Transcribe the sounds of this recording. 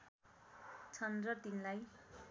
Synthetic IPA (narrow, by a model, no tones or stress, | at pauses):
t͡sʰʌnd̪rʌt̪inlaj